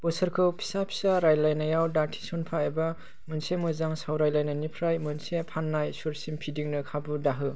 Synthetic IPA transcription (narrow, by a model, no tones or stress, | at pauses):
b̥ɔsɯɾkʰɯwpʰi̥sapʰi̥saɾajlajnajawdatʰi̥sɔnpʰaeba | mɯnsemɯzaŋsawɾajlajnanipʰɾajmɯnsepʰanːajsuɾsimpʰidiŋnɯkʰabudaɦɯ